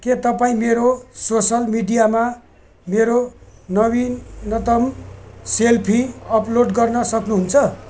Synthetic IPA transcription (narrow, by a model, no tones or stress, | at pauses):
ket̪ʌpaĩmeɾososʌlmiɖijama | meɾonʌβinːʌt̪ʌmselpʰiʌploɖɡʌrnʌsʌknuɦunt͡sʰʌ